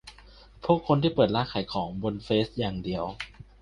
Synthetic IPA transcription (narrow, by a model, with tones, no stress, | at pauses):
pʰu˥˩əkʰːo˧nt̪ʰiː˥˩pɤː˨˩t̪̚laː˧˥kʰaː˩˦jkʰɔː˩˦ŋbo˧nfeː˦˥st̪̚jaː˨˩ŋdi˧əw